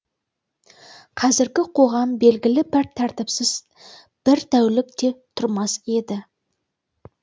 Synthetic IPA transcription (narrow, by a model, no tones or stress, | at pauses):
qʰɑzɪɾɡʲɪqʰo̞ʁɑmbe̞lɡʲɪlɪbɪɾt̪ʰæɾt̪ɪpsɪz | b̥ɪɾt̪ʰæwlɪk̚t̪e̞t̪ʰʊɾmɑse̞d̪ɪ